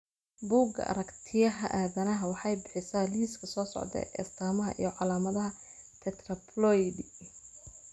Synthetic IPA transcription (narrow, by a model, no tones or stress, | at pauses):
buːɡɐ̰ʔɐ̰ɾɐkt̪ʰɪjɐɦɐʔaːðɐnɐɦɐwɑħɑjbɪħɪsaːliːskʰɐsɔːsɔ̰ʕd̪ɛ̰ʔɛ̰st̪ʰaːmɐɦɐ̰ʔḭjɞʕɑlaːmɐðɐɦɐt̪ʰɛt̪ʰrɐpʰlɔjdɪ